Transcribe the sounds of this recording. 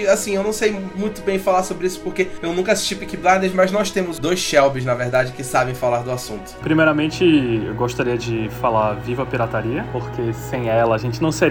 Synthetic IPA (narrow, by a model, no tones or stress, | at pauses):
asĩewnɐ̃w̃sejmũj̃t̪ʊbẽj̃falasobɾɪisʊ̥poɾkeewnũkɐasi̥ʃt͡ʃipikiblad̪eɾzmɐznɔst̪ẽmʊzd̪ojsʃɛwbɪznɐveɾd̪ad͡ʒɪkɪsabẽj̃falaɾd̪ʊasũnt̪ʊ̥pɾimejɾɐmẽnt͡ʃɪewɡoʃt̪aɾiɐd͡ʒɪfalaɾvivɐpiɾat̪aɾiɐpoɾkesẽj̃ɛlɐːʒẽnt͡ʃɪnɐ̃w̃seɾ